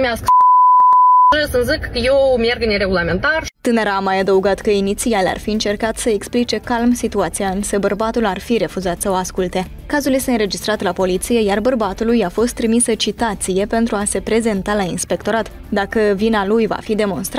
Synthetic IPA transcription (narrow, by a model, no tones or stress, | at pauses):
mask | esɨnzɨkːəjewmjerɡɨneɾe̞ɡulament̪art̪ɨneɾaːmajad̪əuɡat̪kəinit̪sialea̰rfiɨnt͡ʃe̞rkat̪səeksplit͡ʃe̞kalmsit̪uat̪sijaɨnsəbərbat̪ularfiɾe̞fuzat̪səoaskult̪e̞ | kazulje̞st̪eɨnɾe̞d͡ʒist̪ɾat̪lapo̞lit̪sije̞jarbərbat̪ulujafo̞st̪ːɾimisət͡ʃit̪at̪sije̞pe̞nt̪ɾuase̞pɾe̞ze̞nt̪alainspe̞kt̪o̞ɾat̪ | d̪akəvinalujva̰fid̪e̞mo̞nst̪ɾ